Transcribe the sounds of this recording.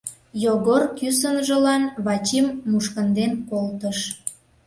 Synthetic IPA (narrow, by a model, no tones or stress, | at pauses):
joɣorkysənʒə̆lɑnβɑt͡ɕimːuʃkənd̪enkolt̪əʃ